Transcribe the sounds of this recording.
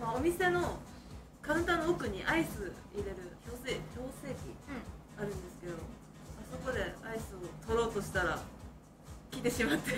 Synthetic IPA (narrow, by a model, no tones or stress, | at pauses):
maomʲise̞no̞ | kãɰ̃nt̪ãnːookɯ̟ɲ̟iʔaisɨ | iɾe̞ɾɯ̟ço̞ːseːçʲo̞ːse̞ːkʲḭ | aɾɯ̟̃nd̪e̞sɨ̥ke̞d̪o̞ | aso̞ko̞d̪e̞aisɨot̪o̞ɾo̞ːt̪o̞ɕi̥t̪aɾa | kʲit̪e̞ɕimat̪ːe